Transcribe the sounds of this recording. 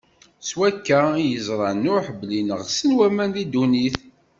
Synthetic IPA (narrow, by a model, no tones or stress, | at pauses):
swækːæjəzˤɾˤɑnʊħblinəʁsənwæmænlid̪uniθ